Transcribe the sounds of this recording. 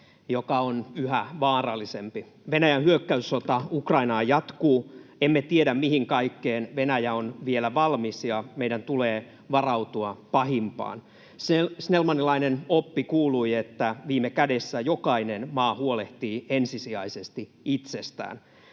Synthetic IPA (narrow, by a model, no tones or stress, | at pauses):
jokɑonyhæʋɑːrɑlːisempi | ʋenæjænhyøkːæysːot̪ɑukrɑinɑːjɑt̪kuːemːet̪ieɾæmmihiŋkɑikːeːnʋenæjæonʋielæʋɑlmisjɑmeidænt̪uleː | ʋɑrɑut̪uɑpɑhimpɑ̰ːn | sesnelmɑnːilɑinenopːikuːluiet̪ːæʋiːmekædesːæjokɑinenmɑːhuoleht̪iːensisiæisest̪i | it̪sest̪æ̰ːn